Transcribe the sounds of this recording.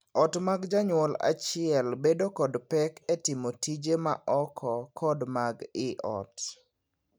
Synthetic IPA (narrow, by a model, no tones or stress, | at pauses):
ɔtmaɡd͡ʒaɲwɔla̰t͡ʃɪɛlbedokɔdpɛkɛtɪmotid͡ʒema̰ʔɔkʰɔkʰɔdmaɡɪʔɔ̰t